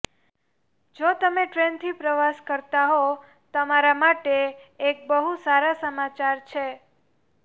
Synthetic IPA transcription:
d͡ʒot̪əmeʈɾent̪ʰipɾəʋaskəɾt̪aɦo | t̪əmaɾamaʈeːk̚bəɦusaɾasəmat͡ʃaɾt͡ʃʰe

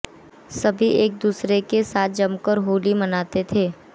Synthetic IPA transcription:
sɐbʱiʔeːk̚d̪uːsɾekesaːt̪̚ʰd͡ʒɐmkəɾɦoːlimɐnaːt̪et̪ʰeː

